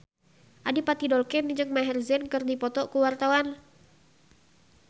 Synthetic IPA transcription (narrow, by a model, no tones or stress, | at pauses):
ʔadipat̪idɔlkɛnd͡ʒɨŋmaɦɛrzɛnkɨrdipɔt̪ɔkuwart̪awan